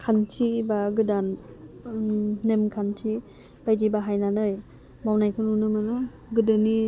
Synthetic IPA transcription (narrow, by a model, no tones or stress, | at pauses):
kʰantʰibaɡɯdan | nemkʰantʰi | b̥ajd͡ʒibaɦajnanɯj | mawnajkʰɯnunɯmɯnɯ | ɡɯdɯni